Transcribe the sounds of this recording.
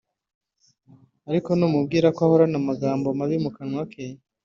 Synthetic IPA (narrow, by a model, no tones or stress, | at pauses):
aɾiko̞numub̚ɡiːɾakoahoɾanamaɡaːmbo̞maβimukaɲwakʰe